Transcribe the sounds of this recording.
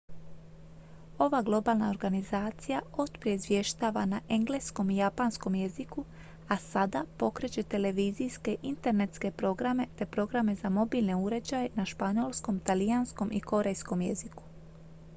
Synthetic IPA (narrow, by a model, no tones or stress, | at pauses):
o̞ʋaɡlˠo̞baːlˠnao̞ɾɡanizaːt̪sijao̞t̪pɾieizʋje̞ʃt̪aːʋanaʔeŋɡle̞sko̞mijapansko̞mje̞ziku | asad̪apo̞kɾe̞t͡ɕe̞t̪e̞le̞ʋiːzijske̞ʔint̪e̞ɾne̞t̪ske̞pɾo̞ɡɾame̞t̪e̞pɾo̞ɡɾame̞zamo̞biːlne̞uɾe̞d͡ʑajenaʃpaɲo̞lˠsko̞mt̪alijansko̞mʔiko̞ɾe̞jsko̞mjḛziku̥